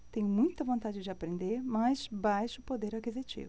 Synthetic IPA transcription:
t̪ẽj̃mũj̃t̪ɐvõnt̪ad͡ʒɪd͡ʒɪapɾẽnd̪eɾmajsbajʃʊpod̪eɾakizit͡ʃḭvʊ

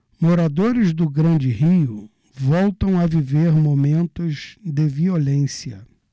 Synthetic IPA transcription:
moɾad̪oɾɪzd̪ʊɡɾɐ̃nd͡ʒɪɦiʊ | vɔwt̪ɐ̃w̃aviveɾmomẽnt̪ʊzd̪ɪviolẽsiɐ̰

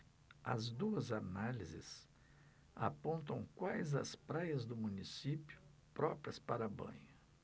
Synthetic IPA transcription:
ɐ̰zd̪uɐzanalizɪ̰s | a̰põnt̪ɐ̃w̃kwajzɐ̰spɾajɐzd̪ʊmũnisipjʊ | pɾɔpɾiɐspaɾɐbɐ̰̃ɲɐ

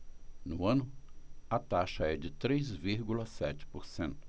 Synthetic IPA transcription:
nʊɐ̃nʊɐt̪aʃɐɛd͡ʒɪt̪ɾejzviɾɡulɐsɛt͡ʃɪ̥poɾsẽnt̪ʊ̥

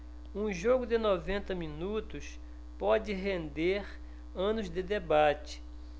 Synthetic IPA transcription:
ũʒoɡʊd̪ɪnovẽnt̪ɐmĩnut̪ʊs | pɔd͡ʒɪɦẽnd̪eɾ | ɐ̃nʊzd̪ɪd̪ebat͡ʃɪ̥

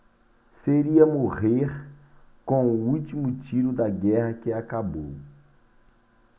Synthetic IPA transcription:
seɾiɐmoʁeɾ | kõuut͡ʃimʊt͡ʃiɾʊd̪ɐɡɛhɐkɪakabo̰w

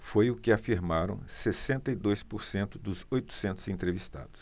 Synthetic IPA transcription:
fojʊkɪafiɾmaɾɐ̰̃w̃sesẽnt̪ɐid̪ojspʊɾsẽnt̪ʊd̪ʊzojt̪ʊ̥sẽnt̪ʊzẽnt̪ɾevist̪a̰d̪ʊs

